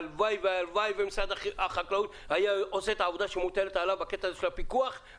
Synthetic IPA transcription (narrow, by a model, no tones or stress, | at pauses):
lvajveaalvajvemisad̪aaχaklaut̪ | hajaose̞et̪aːvo̞d̪aʃemut̪elet̪alavbake̞t̪aːzeʃelapikuaχ